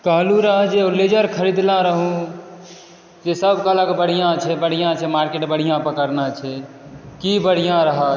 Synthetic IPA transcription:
kəɦluɾəɦəd͡ʒeoled͡ʒəɾkʰəɾid̪laɾəɦũ | d͡ʒesəbkələkbəɽ̤ijãt͡ʃʰɛbəɽ̤ijãt͡ʃʰɛmaɾkeʈbəɽ̤ijãpəkəɾnat͡ʃʰɛ | kibəɽ̤ijãɾəɦə

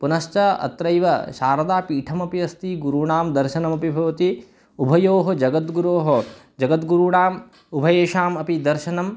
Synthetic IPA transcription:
punɐʃt͡ʃɐɐ̰t̪ɾɐjʋɐ̰ʃaːɾɐd̪aːpiːʈʰɐmɐpiɐst̪iɡuɾuɳaːmd̪ɐɾʃɐnɐmɐpibʱɐʋɐt̪i | ubʱɐjoːɦɐd͡ʒɐɡɐt̪ɡuɾoːɦɐ | d͡ʒɐɡɐt̪ɡuɾuɳaːm | ubʱɐjeːʃaːmɐpid̪ɐɾʃɐnɐm

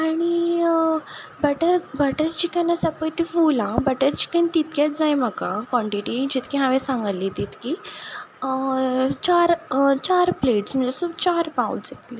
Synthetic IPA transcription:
aɽ̃i | bəʈəɾbaʈəɾt͡ɕikənasapəjt̪ifulãbəʈəɾt͡ɕi̥kənt̪it̪kjat͡s̚d͡zajməkãkɔ̃ɳʈiʈid͡ʑit̪kiɦãʋẽsãŋɡəlːit̪iːt̪ki | t͡ɕaɾt͡ɕaɾpleʈsm̤ə̃ɳd͡zesut͡ɕaɾpaṵ̃sek̪li

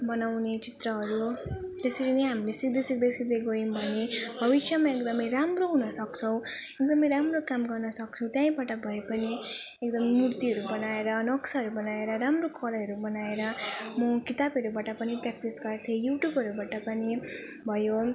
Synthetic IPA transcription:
bʌnawnet͡sit̪ɾʌɦʌɾut̪esʌɾineɦamilesikd̪esikd̪esid̪eɡoimbʱʌnebʱʌbisʰjʌmaekd̪ʌmʌjɾamroɦunʌsʌkt͡sʰʌ̃w̃ | ek̚d̪ʌmʌjɾamrokamɡʌrnʌsʌk̚t͡sʰũt̪jãĩbaʈʌbʱʌepʌni | ekd̪ʌmʌmurt̪iɦʌɾubʌnaeɾʌːnʌksaɦʌɾubʌnaeɾʌɾamrokʰʌlɦʌɾubʌnaeɾʌmʌkit̪abʌɾubaʈʌpʌniprak̚ʈisɡʌrt̪ʰejuʈjubʱʌɾubaʈʌpʌni | bʱʌjo

